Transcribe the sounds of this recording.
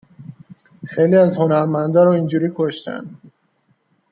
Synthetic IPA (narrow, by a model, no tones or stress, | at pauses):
xejliæzho̞næɾmænd̪ɒːɾɒind͡ʒuːɾiːkʰoʃt̪æ̰nd̪